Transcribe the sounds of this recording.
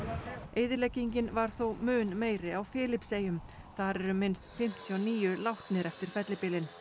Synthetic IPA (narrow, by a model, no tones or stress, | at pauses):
eːjðɪɾlɛcːiɲcɪnvaɾ̥θowmʏːnmeːjɾɪawfɪːlɪpseːjʏm | θaɾɛɾʏmɪnst̪fɪm̥t̪ʰiɔniːjʏlawht̪nɪɾɛft̪ɪɾ̥fɛt̪lɪpɪːlɪn